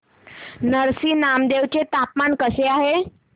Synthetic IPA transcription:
nəɾsiːnamd̪eʋt͡ɕet̪apmaɳkəseaɦe

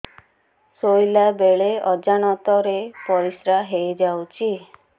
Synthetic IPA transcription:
sojlabeɭeɔd͡ʒañɔt̪ɔɾepɔɾisɾaɦejd͡ʒawt͡ʃʰi

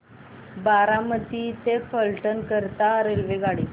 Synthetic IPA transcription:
baɾaməd̪ʱiːt̪efəlʈənkəɾt̪aɾelʋeɡaɽi

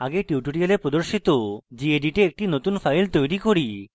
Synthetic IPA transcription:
aɡeʈiuʈoɽialepɾod̪oɾʃit̪od͡ʑieɖiʈeek̚ʈinot̪unfajlt̪ojɾikoɾi

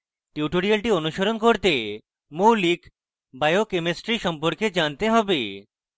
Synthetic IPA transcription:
ʈiuʈoɾialʈionuʃoɾonkoɾt̪e | molik | bajokemesʈɾiʃɔmpoɾked͡ʑant̪eɦɔbe

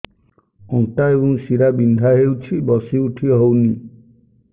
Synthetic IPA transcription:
ɔ̃nʈajunsiɾabind̪ʱaɦewt͡ʃʰibɔsiuʈʰiɔɦowni

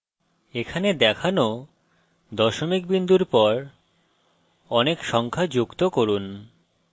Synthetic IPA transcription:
ekʰaned̪ɛkʰano | d̪ɔʃomik̚bind̪uɾpɔɾ | ɔnekʃɔŋkʰad͡ʑukt̪okoɾun

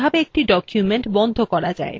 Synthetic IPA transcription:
abeek̚ʈiɖɔkʰjumeɳʈbɔnd̪ʱokɔɾad͡ʑa̰e

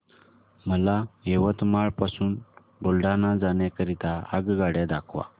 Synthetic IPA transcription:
məlajeʋət̪maɭpasuːn | bolɖanad͡zaɳjakəɾit̪aa̰ɡɡaɽjad̪akʰʋa̰

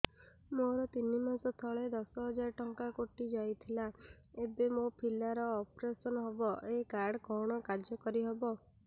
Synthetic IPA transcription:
moɾɔt̪inimasɔt̪ʰɔɭed̪ɔsɔɦɔd͡ʒaɾʈɔŋkakoʈid͡ʒajt̪ʰila | ebemopʰilaɾɔːpɾesɔnɔɦebɔʔekaɾɖkɔɽ̃ɔkad͡ʒjɔkɔɾiɦebɔ

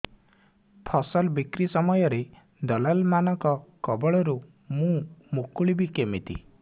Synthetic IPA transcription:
pʰɔsɔlbikɾisɔmɔjɔɾe | d̪ɔlalmanɔŋkɔkɔbɔɭɔɾu | mũmukuɭibikemit̪ḭ

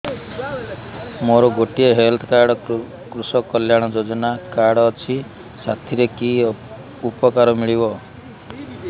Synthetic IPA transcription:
moɾɔɡoʈieɦelt̪ʰɔkaɾɽɔ | kɾusɔkːɔljaɽ̃ɔd͡ʒod͡ʒɔnakaɾɽɔːt͡ʃʰi | sat̪ʰiɾeki | upɔkaɾɔmiɭibɔ

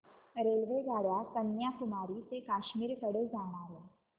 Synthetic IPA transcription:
ɾelʋed͡zʱaɽʋak̪ənjakumaɾiːt̪ekaɕmiːɾkəɽed͡zam̃aɦe

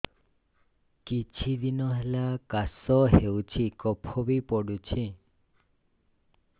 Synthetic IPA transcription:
kit͡ʃʰid̪inɔɦelakasɔɦewut͡ʃʰikɔpʰɔbipɔɽut͡ʃʰi

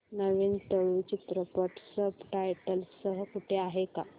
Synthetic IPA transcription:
nəʋint̪əɭut͡ɕit̪ɾəpəʈʰsəbʈajʈəlsəɦəkuʈʰeaɦeka

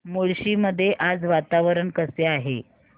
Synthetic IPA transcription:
moɭɕiːməd̪ʱːjeʔad͡zʋat̪aʋəɾənkəseaɦḛ

